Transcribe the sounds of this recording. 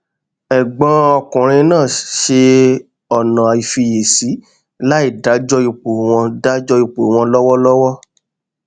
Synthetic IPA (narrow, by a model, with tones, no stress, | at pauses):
ɛ˨ɡ͡bɔ̃˨˦ɔ˧kũ˨ɾ̃ĩ˧nãː˦˨ʃe˧ | ɔ˨nã˨a˨i˨fi˧je˨si˨˦ | la˦i˦˨da˨˦d͡ʒɔ˦i˧k͡po˨w̃ɔ̃˧da˦d͡ʒɔ˦i˧k͡po˨w̃ɔ̃˧lɔ˦wɔ˦lɔ˦wɔ˦